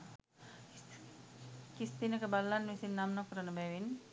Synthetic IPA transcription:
kist̪inəkəbalːanːʋisinːamnakːəɾənəbɛʋin

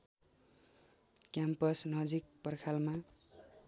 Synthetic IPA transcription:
kjampʌsnʌd͡zik̚pʌrkʰalma

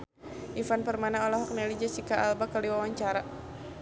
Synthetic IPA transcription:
ʔifanpərmanaɔlaɦɔk̚nalid͡ʒasikaʔalbakaliwawaɲt͡ʃaɾa

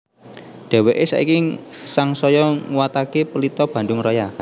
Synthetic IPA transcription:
d̪̥e̤weʔesa̰ḭkisaŋsɔjɔŋuwat̪akepəlit̪ɔb̥ä̤ndʊŋrɔja

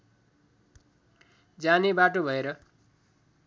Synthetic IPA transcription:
d͡zanebaʈobʱʌeɾʌ

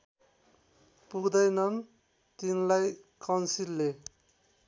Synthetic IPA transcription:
puɡd̪ʌjnʌn | t̪inlajkʌnsilːe

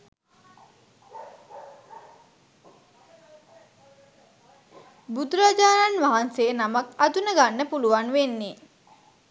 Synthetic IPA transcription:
bud̪uɾad͡ʒaːnanʋaɦansejənamakad̪unəɡanːəpuluʋanʋenːe

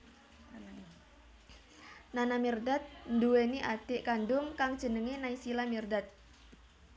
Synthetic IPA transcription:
nanamirdat̪̚nduweniʔad̪̥ɪʔkandʊŋkaŋd̥ʒ̥ənəŋenaisilamirdat̪̚

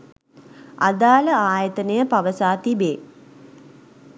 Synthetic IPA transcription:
a̰d̪aːləaːjət̪ənəjəpaʋəsaːt̪ibeː

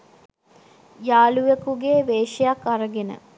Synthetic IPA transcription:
jaːlujekuɡeːʋeːʃejakːaɾəɡenə̰

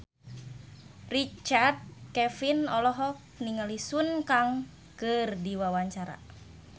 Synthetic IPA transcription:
rit͡ʃard̪̚kɛfinɔlɔɦɔk̚niŋalisunkaŋ | kɨrdiwawaɲt͡ʃaɾa̰

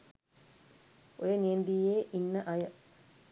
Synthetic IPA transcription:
ojənijend̪ijeːʔinːəʔɐjə

